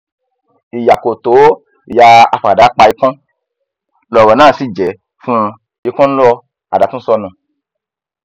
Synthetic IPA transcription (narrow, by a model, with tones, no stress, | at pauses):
i˨ja˨ko˨to˨˦ | i˨ja˧a˧fa˨da˨˦k͡pa˧i˧kɔ̃˦ | lɔ˨ɾɔ˨nãː˦˨si˨d͡ʒɛ˨˦ | fũ˦ | i˧kɔ̃˦n̩˦lɔ˦˧ | a̰˨da˨˦tũ˦sɔ˧nũ˨